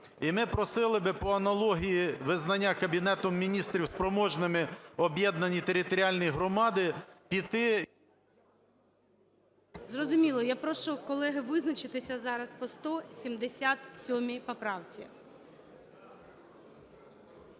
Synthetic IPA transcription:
imɪpɾɔsɪlˠɪbɪpɔɐnɐlˠɔɦʲijiʋɪznɐnʲːakɐbʲinɛt̪ɔmːʲinʲist̪ɾʲiwspɾɔmɔʒnɪmɪɔbʲjɛd̪̚nɐnʲit̪eɾʲɪt̪ɔɾʲiɑlʲnɔjiɦɾɔmɑd̪ɪpʲit̪ɪ | zrɔzʊmʲilˠɔjapɾɔʃʊkɔlˠɛɦɪʋɪznɐt͡ʃɪt̪ɪsʲɐzɑɾɐspɔst̪ɔsʲimd̪esʲat̪sʲɔmʲipɐpɾɑwt͡sʲḭ

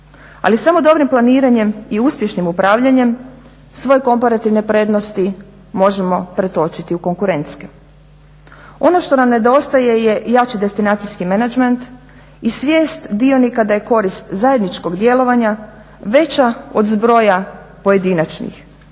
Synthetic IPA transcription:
a̰lisamo̞d̪o̞bɾimplaniːɾaɲe̞miuspje̞ʃnimupɾaːʋʎaɲe̞m | sʋo̞jeko̞mpaɾat̪iʋne̞pɾe̞ːd̪nost̪i | mo̞ʒemo̞pɾe̞t̪o̞t͡ʃit̪iuko̞ŋkuɾe̞nt̪ske | o̞no̞ʃt̪o̞namne̞d̪o̞st̪aje̞je̞jat͡ʃid̪e̞st̪inaːt̪sijskimenad͡ʒment̪ | isʋje̞ːst̪d̪io̞nikad̪ajeko̞ɾist̪zaje̞d̪nit͡ʃko̞ɡd̪je̞lo̞ʋaɲa | ʋe̞t͡ɕaod̪zbɾo̞japoje̞d̪inat͡ʃnḭx

